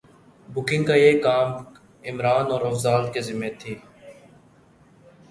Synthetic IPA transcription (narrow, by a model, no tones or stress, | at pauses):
bʊkɪ̃ŋɡkaeːkaːm | ɪmɾaːnɔːɾɐfzaːlt̪kezɪmet̪ʰiː